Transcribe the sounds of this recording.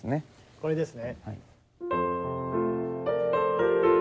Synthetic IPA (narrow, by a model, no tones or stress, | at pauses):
ɨneko̞ɾed̪e̞sɨneha̰i